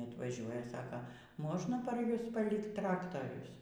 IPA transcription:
ɐtʋɐˈʒʲuɔjɛ ˈsɑːkɐ ˈmoːʒnɐ pɐr ˈjʊs pɐˈlʲɪkt ˈtrɑːktɐrʲʊs

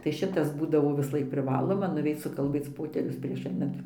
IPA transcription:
tɐɪ ˈʃʲɪtɐs ˈbuːdɐʋoː ʋʲɪsˈlˠɐɪk pʲrʲɪˈʋɑːlˠoːmɐ nʊˈʋʲɛɪt͡s sʊkɐlʲˈbʲeːt͡s ˈpoːtʲɛrʲʊs pʲrʲiɛʃ ˈɐɪnɐnt

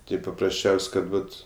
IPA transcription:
ˈtɐɪ pɐprɐsʲˈt͡ʃʲɛʊsʲ ˈkɐt ˈʋɐt

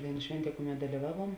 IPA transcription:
ˈdɐɪˌnuː ˈʃʲʋʲɛnʲˌtʲiɛ ˈkʊˌmʲɛt dɐlʲɪˈʋɑːˌʋuɔm

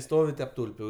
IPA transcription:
ˈstoːʋʲɪ tʲɛp ˈtʊlʲpʲʊ

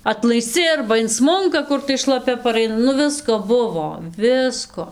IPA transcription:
ɐtlˠɐɪsʲˈt͡sʲɪ ɐrbɐ ɪnˈsmʊŋkɐ ˈkʊr tɐɪ ʃlˠɐˈpʲɛ pɐˈrɐɪnɐ nʊ ˈʋʲɪskoː ˈbʊʋoː ˈʋʲɪskoː

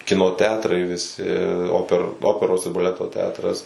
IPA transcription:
ˈkʲɪnoː ˈtʲɛɐtrɐɪ ʋʲɪˈsʲɪ ˈoːpʲɛr ˈoːpʲɛroːs ɪr bɐˈlʲæːtoː ˈtʲɛɐtrɐs

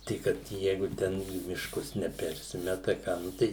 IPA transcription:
tɐɪ ˈkɐt ˈjɛɪɡʊ ˈtʲɛn iː mʲɪʃˈkʊs nʲɛˈpʲɛrʲsʲɪmʲɛtɐ ˈkɑː nʊ ˈtɐɪ

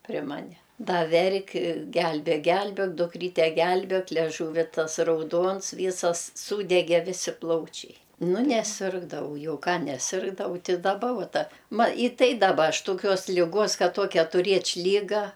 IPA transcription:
pʲrʲɪ ˈmɑːnʲɛ ˈdɐ ˈʋʲɛrʲkʲ ˈɡʲɛlʲbʲeːk ˈɡʲɛlʲbʲeːk dʊˈkrʲiːtʲɛ ˈɡʲɛlʲbʲeːk lʲɛˈʒuːʋʲɪ ˈtɐs rɐʊˈduɔns ˈʋʲiːsɐs ˈsuːdʲɛɡʲɛ ˈʋʲɪsʲɪ ˈplˠɐʊt͡ʃʲɛɪ ˈnʊ nʲɛˈsʲɪrɡdɐʋɐʊ ˈjɛʊ ˈkɑː nʲɛˈsʲɪrɡdɐʋɐʊ tʲɪ dɐˈbɐ ˈʋuɔ ˈtɐ ˈmɐ ɪ ˈtɐɪ dɐˈbɐ ˈɐʃ toːˈkʲoːs ˈlʲɪɡoːs ˈkɐt ˈtoːkʲɛ tʊˈrʲeːt͡ʃʲ ˈlʲiːɡɐ

